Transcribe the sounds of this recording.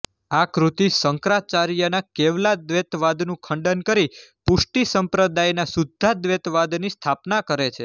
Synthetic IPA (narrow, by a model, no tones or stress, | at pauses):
akɾut̪isəŋkɾat͡ʃaɾjənakeʋlad̪ʋet̪ʋad̪nũkʰəɳɖənkəɾipuʃʈisəmpɾəd̪ajnasud̪ʱːad̪ʋet̪ʋad̪nist̪ʰapnakəɾet͡ʃʰe